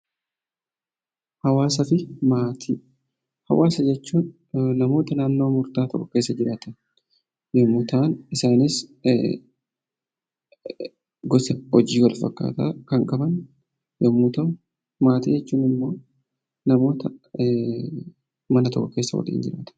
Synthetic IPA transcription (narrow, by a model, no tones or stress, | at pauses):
hɐwaːsɐfɪmaːt̪ʰiː | hɐ̰wʔaːsɐd͡ʒɛt͡ʃːuːnː | ɐmo̞ːt̪ɐnaːnːo̞ːmʊɾt̪aːt̪ɔ̰kʼːɔke̞ːsːɐd͡ʒɪɾaːt̪ɐn | jɐmːʊt̪aːnɪsaːnɪs | ɡɔsɛɔd͡ʒiːwɐlfɐkːa̰ːt̪ɐkɐŋkʼɐbɐn | jɐmːʊt̪ɐ | maːt̪iːd͡ʒɛt͡ʃːuːnɪmːo̞ː | nɐmo̞ːt̪ɐ | mɐnɐt̪ɔkʼːɔke̞ːsːɐ̰wɐ̰lḭːnd͡ʒɪɾa̰ːt̪ɐ̥